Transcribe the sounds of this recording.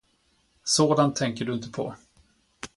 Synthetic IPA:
soːd̪ant̪ʰːɛŋkəɖɵɪnt̪əpʰɔ̰

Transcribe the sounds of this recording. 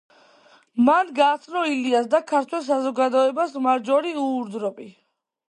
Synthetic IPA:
manɡaːt̪sʰnɔiliasd̪akʰaɾt̪ʰwɛlˠs̬azɔɡad̪ɔɛbasmaɾd͡ʒɔɾiuːɾd̪ɾɔpʼi

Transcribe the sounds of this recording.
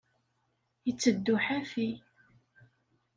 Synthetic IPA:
jət͡sːəd̪ːʊħæfi

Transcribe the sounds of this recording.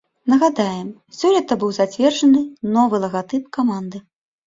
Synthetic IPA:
nɐɣad̪ajɛm | sʲɔlʲɛt̪ɐbɨwzat͡sʲvʲɛrʐɐnɨnɔvɨlˠɐɣat̪ɨpkamand̪ɨ

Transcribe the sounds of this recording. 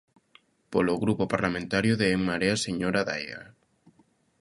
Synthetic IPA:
poloɣɾupopaɾlamẽnt̪aɾjoðeeŋmaɾeaseɲoɾaða̰ja̰

